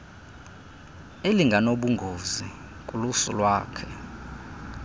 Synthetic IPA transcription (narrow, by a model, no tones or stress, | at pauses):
eliŋɡʱanoɓuŋɡʱozi | kʼulusṵlwaːkʰɛ